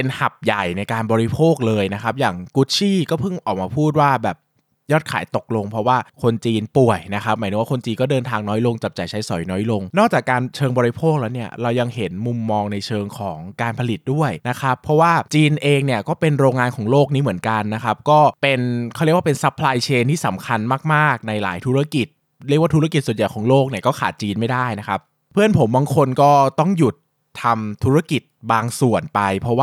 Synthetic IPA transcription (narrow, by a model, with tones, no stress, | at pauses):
e˧nha˨˩p̚ja˨˩jna˧jkaː˧nbɔː˧ɾi˧˥pʰoː˥˩k̚lɤː˧jna˦˥kʰa˦˥p̚jaː˨˩ŋku˦˥t̪̚t͡ɕʰiː˥˩kɔː˥˩pʰɯ˥˩ŋʔɔː˨˩k̚maː˧pʰuː˥˩t̪̚waː˥˩bɛː˨˩p̚ | jɔː˥˩t̪̚kʰaː˩˦jt̪o˨˩k̚lo˧ŋpʰɾɔ˦˥waː˥˩kʰo˧nt͡ɕiː˧npu˨˩əjna˦˥xʰa˦˥p̚maː˩˦jɯː˧˦waː˥kʰo˧nt͡ɕiː˧nkɔː˥˩dɤː˧nt̪ʰaː˧ŋnɔː˦˥jlo˧ŋt͡ɕa˨˩p̚t͡ɕa˨˩jt͡ɕʰa˦˥jsɔ̰˩˦jnɔː˦˥jlo˧ŋnɔː˥˩k̚t͡ɕaː˨˩kːaː˧nt͡ɕʰɤː˧ŋbɔː˧ɾi˧˥pʰoː˥˩k̚lɛː˦˥wni˥˩ɐɾa˧wja˧ŋhe˩˦nmu˧mːɔː˧ŋna˧jt͡ɕʰɤː˧ŋkʰɔː˩˦ŋkaː˧npʰa˧li˨˩t̪̚du˥˩əjna˦˥kʰɾa˦˥pʰɾɔ˦˥waː˥˩t͡ɕiː˧nʔeː˧ŋni˥˩ɐkɔː˥˩pe˧nɾoː˧ŋaː˧nkʰɔː˩˦ŋloː˥˩k̚niː˦˥mɯ˩˦ənka˧nːa˦˥kʰa˦˥p̚kɔː˥˩pe˧nkʰɾwaː˥˧pe˧nsa˦˥pʰːlaː˧jt͡ɕʰeː˧nt̪ʰiː˥˩sa̰˩˦mkʰa˧nmaː˥˩k̚maː˥˩k̚na˧jla̰ː˩˦jt̪ʰu˦˥ɾa˥˩ki˨˩t̪̚ | ɾi˥˩k̚waː˥˩t̪ʰa˥ki˨˩t̪su˨˩nja˨˩jkʰɔː˩˦ŋloː˥˩k̚ni˥˩ɐkɔː˥˩kʰaː˨˩t̪̚t͡ɕiː˧nma˥˩jdaː˥˩jna˦˥kʰa˦˥p̚ | pʰɯ˥˩ənpʰo˩˦mbaː˧ŋkʰo˧nkɔː˥˩t̪ɔ˥˩ŋju˨˩t̪ʰː | a˧mt̪ʰu˦˥ɾa˥ki˨˩t̪̚baː˧ŋsu˨˩ənpa˧jpʰɾɔ˦˥waː˥˩